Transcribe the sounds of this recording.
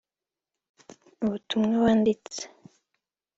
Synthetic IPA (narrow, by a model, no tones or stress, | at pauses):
uβutumŋewaːndit͡se̥